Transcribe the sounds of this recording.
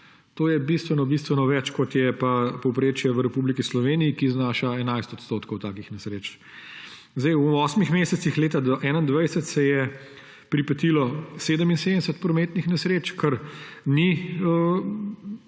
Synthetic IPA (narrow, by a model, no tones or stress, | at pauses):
t̪oːjɛbist̪ʋɛnɔbist̪ʋɛnɔʋɛt͡ʃkɔt̪jɛpapɔwpɾeːt͡ʃjɛʋəɾɛpublikislɔʋeːnijikiznaːʃaɛnajst̪ɔt̪st̪oːt̪kɔwt̪aːkixnɛsɾeːt͡ʃ | zd̪ɛjwɔːsmixmeːsɛt̪sixleːt̪ad̪ɔʔɛːnaind̪ʋajsɛt̪sɛjɛ | pɾipɛt̪ilɔseːd̪əminseːd̪d̪ɛsɛt̪̚pɾɔmeːt̪nixnɛsɾeːt͡ʃkɐɾniə